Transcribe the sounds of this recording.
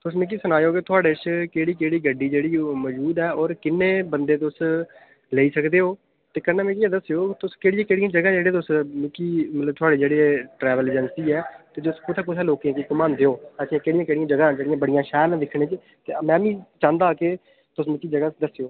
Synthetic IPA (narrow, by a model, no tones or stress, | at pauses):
t̪ʊsmɪk̬iːsənaːjoːket̪ʰʊaːɽeːʃkeːɽiːkeːɽiːɡəɖiːd͡ʒeːɽiːmɔd͡ʒuːd̪ɛːɔːɾkɪnːeːbənd̪eːt̪̬ʊs | leːiːsəkd̪eːɦoː | t̪eːkənːɛːmẽk̬iãːd̪əsejoːt̪ʊskeːɽɪjãːkeːɽɪjãːd͡ʒəɡãːd͡ʒeːɽeːt̪̬ʊsmɪkiːmət̪ləb̚t̪ʰʊaːɖeːd͡ʒeːɽeːʈɾɛːʋəled͡ʒənsiːɛːt̪eːd͡ʒʊskʊt̪ʰaːk̬ʊt̪ʰaːloːkẽːkikʊmãːnd̪eːoːɛːsĩãːkeːɽɪjãːkeːɽɪjãːd͡ʒəɡãːd͡ʒeːɽɪjãːbəɽɪjãːʃɛːl̃ːd̪ɪkʰɽẽːt͡ʃ | t̪eːmɛ̃ːmĩːt͡ʃãːnd̪aːke | t̪ʊsmɪkiːd͡ʒəɡaːd̪əsejoː